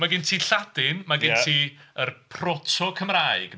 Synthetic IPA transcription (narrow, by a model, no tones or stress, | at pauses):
maɡɪntʰiːɬadɪnmaɡɪntʰiːərpʰrɔtʰɔkʰəmraːɨɡ̥